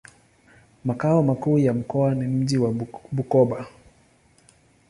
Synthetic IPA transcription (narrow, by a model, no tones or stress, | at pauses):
makaɔmakuːjam̩kɔanim̩ʄiwaɓukɔɓa